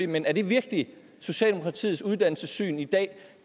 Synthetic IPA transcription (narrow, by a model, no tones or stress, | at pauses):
ḛmenæɐɾ̥e̝ʋiɐɡ̥li | so̝ɕɛ̰ːldemo̝kʰʁɑt͡sʰḭːð̩ˠsuð̞ˠd̥æn̰l̩səsy̰ːnid̥ɛ̰ː